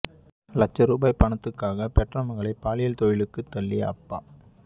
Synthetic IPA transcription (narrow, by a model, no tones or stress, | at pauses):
lɐt͡ʃːɐɾuːbaːɪpɐɳɐt̪ːɯkːaːɣɐpɛʈrɐmɐɣɐɭɐɪpːaːlɪjɐlt̪ɔjɪɭɯkːɯt̪ːɐlːɪjɐɐpːa̰ː